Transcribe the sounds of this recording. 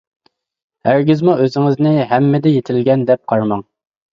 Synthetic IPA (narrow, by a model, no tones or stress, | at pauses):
hæɾɡʲɪzmuøzɪŋɪznɪɦɛmːɪd̪ɛjet̪ʰɪlɡʲɛnd̪ɛp̚qʰɑɾmɑŋ